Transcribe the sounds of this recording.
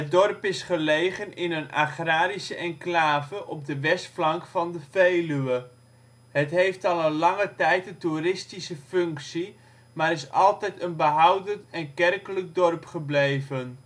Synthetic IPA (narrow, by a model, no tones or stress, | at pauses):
ədɔrpɪsχəlejχənɪnəna̰χraːɾisəʔɛŋklaːvəʔɔb̚dəʋɛstflɑŋkfɑndəvejlyə | ɦətɦejftɑlˠənlɑŋətɛjtətuɾɪstisəfɵŋksi | maːɾɪsɑ̰lˠtɛjtənbəɦɑwdəntɛnkɛrkələk̚dɔrpχəblejvən